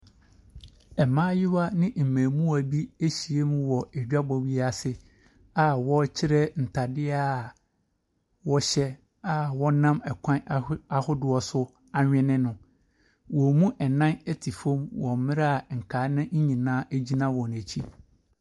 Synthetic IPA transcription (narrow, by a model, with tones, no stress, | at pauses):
ɛ˨mãː˦jɪ˦wa˦nɪ̃˦m̩˨mæ̃ː˨mũ˦æ˨bi˦e˦ɕi˨e˦mũ˦wɔ˨e˨d͡ʑᶣa˦bɔ˨wi˦a˨sɪ˦ | a˨wɔ˦t͡ɕʰɪ˦ɾɛ˦n̩˨tʰa˨dɪ˦a˦˨ | wɔ˦ɕɛ˦ | a˨wɔ˦nã˦mɛ˨kʷʰã˦na˨hʊ˦dʊ˨ɔ˨sʊ˦ | a˨ɲᶣɪ̃˦nɪ̃˦nʊ̃˨ | wɔ˨mũ˦ʔɛ˨nã˦ne˦tʰi˨fõ˦mwɔ̃˨˦mɪ̃˦ɾa˦˨ŋ̩˨kʰaː˨˦nɪ̃˦ɲ̩˦ɲĩ˨nãː˦ʔæ˦d͡ʑi˦nã˦wɔ˨næ˨t͡ɕʰi˦